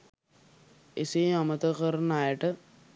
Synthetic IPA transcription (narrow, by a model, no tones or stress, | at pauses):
eseamət̪əkəɾənajəʈə